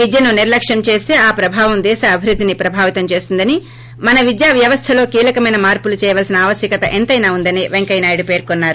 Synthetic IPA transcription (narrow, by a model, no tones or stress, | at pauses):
ʋid̪jɐnuniɾlɐkʂjɐmt͡ʃe̞ːst̪e̞ːaːpɾɐbʱaːʋɐmd̪ɛːʃɐːbʱiɾud̪ʱːinipɾɐbʱaːʋit̪ɐmt͡ʃe̞ːst̪und̪ɐni | mɐnɐʋid̪jaːʋjɐʋɐst̪ʰɐloːkiːlɐkɐmɐjnɐmaːɾpulut͡ʃɛːjɐʋɐːlsinɐaːʋɐsjɐkɐt̪ɐʔent̪ɐjnaːund̪ɐniʋeŋkɐjnaːjiɽupe̞ːɾkonːaːɾu